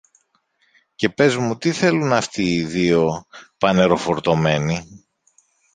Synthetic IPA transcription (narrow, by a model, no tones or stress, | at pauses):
ce̞pe̞zmut̪iθe̞lunɐft̪iːðio̞pɐne̞ɾo̞fo̞ɾt̪o̞me̞ni